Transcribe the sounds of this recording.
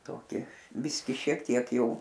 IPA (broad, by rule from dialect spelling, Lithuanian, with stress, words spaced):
toːˈkʲɪ ˈbʲɪsʲkʲɪ ʃʲiɛk ˈtʲiɛk jɛɪ